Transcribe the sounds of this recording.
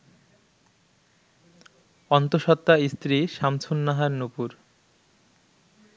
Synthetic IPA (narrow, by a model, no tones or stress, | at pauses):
ɔnt̪oʃɔt̪ːaist̪ɾiʃamt͡ɕʰunːaɦaɾnupuɾ